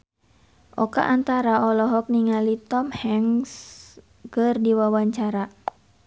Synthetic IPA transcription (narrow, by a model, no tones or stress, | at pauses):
ʔɔka̰ʔant̪aɾaɔlɔɦɔk̚niŋalit̪ɔmhɛŋs | kərdiwawaɲt͡ʃaɾa